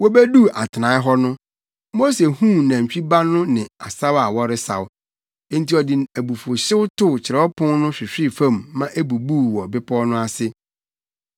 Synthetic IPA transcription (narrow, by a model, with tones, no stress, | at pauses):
wɔ˦bæ˦du˦ʔa˨tʰɪ˨nã˨˦ɪ˦ɦɔ˦nʊ̃˦ | mo˦se˨hũ˦nã˨ɲ̩˨t͡ɕᶣi˦ba˦nʊ̃˦nɪ̃˨a˨sa˦wa˨wɔ˦ɾɪ˦sa̰˨wʊ˦ | ɛ̃˦nti˦ɔ˨dɪ˨æ˨bu˨fo˨ɕɪ˦wtʰʊ˦˨t͡ɕʰɪ˨ɾɛ˨˦ɔ˦pʰʊ̃˦nnʊ̃˦ɕᶣɪ˨ɕᶣɪ˦˨fã˦˨mːã˦ʔæ˦bu˨buː˦˨wɔ˨bɪ˦pʰɔ˦nʊ̃˦a˦sɪ˦